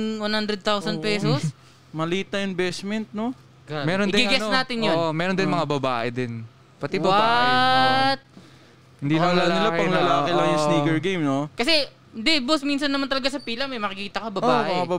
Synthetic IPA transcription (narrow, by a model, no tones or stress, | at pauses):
wanhand̪ɾɛd̪̚t̪awsɐn̚pɛːsos | mɐliːt̪ɐɪnbɛsmɛnt̪̚no | ɡmɛːɾond̪ɡɪɡɛnaːt̪ɪnjonmɛːɾond̪ɪnmɐŋabɐbaːʔɛd̪ɪn | pɐt̪iwbɐb | t̪̚ | hɪnd̪iːnɐmɐlanɪlapɐŋlɐlaːkɪlɐŋjʊŋsniːɡɛɹɡejmnokɐsɛ | nd̪ɛbosmiːnsɐnːɐmant̪ɐlɐɡasɐpiːlɐmɐjmɐkɪkiːt̪ɐkɐbɐbaːʔmɐŋabɐ